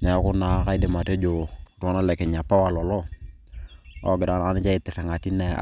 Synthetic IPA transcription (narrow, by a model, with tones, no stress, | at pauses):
nɛ˨˦kʊ˦na˨˦ka˦ɪ˦dɪ˨ma˨te˦d͡ʒo˨tna˦lɛ˨kɪ˨ɲa˨pa˦wa˨lɔ˨lɔ˦ | ɔ̰˨ɡɪ˨da˨n˨a˨˦nɪ˦t͡ʃa˦ɪ˨tɪ˨rɛ˨ŋa˨ti˦nɛ̰˨